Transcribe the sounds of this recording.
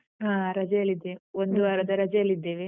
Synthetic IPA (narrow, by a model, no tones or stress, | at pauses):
ɦãːɾɐd͡ʒɐjɐlːid̪ːeond̪uʋaːɾɐd̪ɐɾɐd͡ʒɐjɐlːid̪ːeːʋe